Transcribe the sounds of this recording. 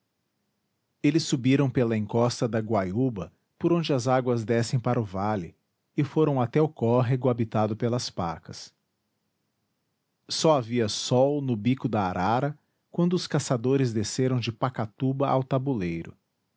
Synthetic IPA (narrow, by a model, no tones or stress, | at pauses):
elɪsːubiɾɐ̃w̃pelɐẽŋkɔst̪ɐd̪ɐɡwajubɐ | poɾõd͡ʒɪɐzaɡwɐzd̪ɛsẽj̃paɾʊvalɪ | ɪfoɾɐ̃w̃at̪ɛʊkɔɦeɡʊabit̪ad̪ʊpelɐspa̰kɐs | sɔaviɐsɔwnʊbikʊd̪ɐaɾʔaɾɐ | kwɐ̃nd̪ʊʊskasad̪oɾɪzd̪eseɾɐ̃w̃d͡ʒɪpakat̪ubɐʔa̰wt̪abulejɾʊ̰